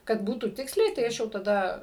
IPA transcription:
kɐt ˈbuːtuː ˈtʲɪksʲlʲɛɪ tɐɪ ˈɐʃ jɛʊ tɐˈdɐ

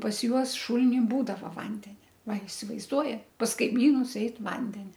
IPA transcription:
pɐs ˈjuɔs ˈʃʊlʲɪnʲɪ ˈbuːdɐʋɐ ˈʋɐnʲdʲɛnʲɛ ˈʋɐ ɪsʲɪʋɐɪzˈduɔjɛ pɐs kɐɪˈmʲiːnʊs ˈɛɪt ˈʋɐnʲdʲɛnʲɛ

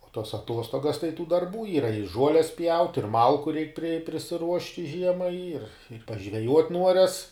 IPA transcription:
oː toːs ɐˈtuɔstoːɡɐs tɐɪ tuː dɐrˈbuː ˈiːrɐ ɪ ˈʒuɔlʲɛs pʲjɛʊtʲ ɪr ˈmɐlˠkʊ rʲɛɪk pʲrʲɪ pʲrʲɪsʲɪˈruɔʃʲtʲɪ ˈʒʲiɛmɐɪ ɪr pɐʒʲʋʲɛˈjuɔtʲ ˈnuɔrʲɛs

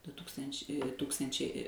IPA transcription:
dʊ ˈtuːkstɐnʲt͡ʃʲ ˈtuːkstɐnʲt͡ʃʲɛɪ

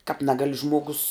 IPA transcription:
kɑːp ˈnʲæːɡɐlʲɪ ˈʒmoːɡʊs

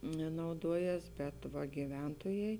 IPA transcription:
nɐʊˈduɔˌjɛs bʲɛt ʋɐ ɡʲɪˈʋʲɛntoːjɛɪ

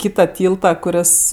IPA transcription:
ˈkʲiːtɐ ˈtʲiːlˠtɐ kʊˈrʲɪs

